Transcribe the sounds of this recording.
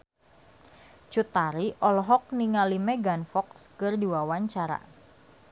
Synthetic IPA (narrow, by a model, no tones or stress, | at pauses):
t͡ʃut̪aɾiʔɔlɔɦɔk̚niŋalimɛɡanfɔkskɨrdiwawaɲt͡ʃaɾa̰